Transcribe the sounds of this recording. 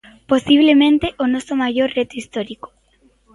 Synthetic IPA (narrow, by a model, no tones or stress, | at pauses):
posiβ̞lemẽnt̪eʔonɔsomaʝoɾret̪oist̪ɔɾiko̥